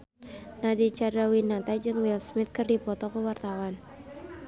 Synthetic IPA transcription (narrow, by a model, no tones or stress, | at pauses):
nadit͡ʃadawinat̪ad͡ʒɨŋwilsmɪt̪̚kɨrdipɔt̪ɔkəwart̪awan